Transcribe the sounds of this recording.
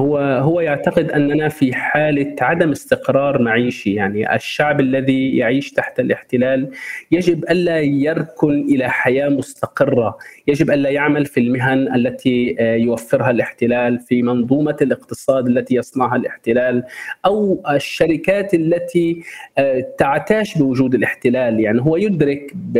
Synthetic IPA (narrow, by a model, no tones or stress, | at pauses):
hʊaɦʊwːajaʕt̪aqɪd̪ʔanːʔanafiħaːlaʕad̪amɪst̪ɪqɾˤɑːɾˤmaʕiːʃijaʕniʔa̰ʃːaʕbʔalːaðijaʕiːʃt̪aħt̪alʔɪħt̪ɪlaːljaʒɪbʔalːajɑɾˤkʊnʔɪlaħajaːmʊst̪ɑqɨrːajaʒɪbʔanːajaʕmalfilmɪɦanʔalːat̪ʰijwafːɪɾɦalʔɪħt̪ɪlaːlfimɑnðˤuːmalʔɪqt̪ɨsˤɑːd̪alːat̪ijɑsˤnɑʕɦalʔɪħt̪ɪlaːlʔawɪʃːaɾɪkaːt̪ʔalːat̪ʰi | t̪aʕt̪aːʃbɪwʊʒuːd̪ɪlʔɪħt̪ɪlaːljaʕniɦʊwːajʊd̪ɾɪkb